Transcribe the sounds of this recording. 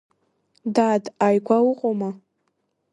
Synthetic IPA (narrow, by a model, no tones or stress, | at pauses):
daːdajɡʷʰawʊqʼoma